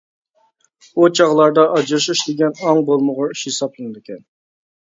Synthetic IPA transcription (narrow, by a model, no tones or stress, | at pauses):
ut͡ʃʰɑʁlˠɑɾd̪ɑʔɑd͡ʒɾʃiʃd̪eɡʲɛnɑŋbolˠmʊʁɑiʃhesɑplˠɨnɨd̪ɪkʲʰɛn